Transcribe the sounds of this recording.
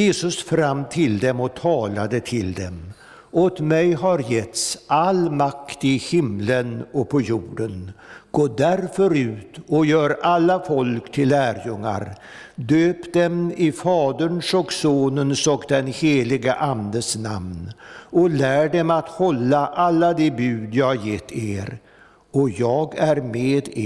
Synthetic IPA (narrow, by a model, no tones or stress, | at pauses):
jeːsɵsfɾamːt̪ʰɪld̪ɛmɔt̪ʰɑːlad̪ət̪ʰɪld̪ɛm | ɔt̪mɛjɦaɾjɛt̪salmakt̪ɪhɪmlənɔpʰɔjuːɖənɡ̥oːd̪æɾfœɾʉ̟ːt̪ɔjœːɾalːafɔlkt̪ʰɪlːæːɾjɵŋːa̰ɾ | d̪øːpd̪ɛmɪfɑːd̪əɳʂɔksoːnənsɔkd̪ɛnheːlɪɡəʔand̪əsna̰mnɔlæːɖɛmat̪hɔlːaʔalːad̪ɛbʉ̟ːd̪jɑːhaɾjɛt̪ʰːeːɾ | ɔjɑːɡæɾmeːd̪e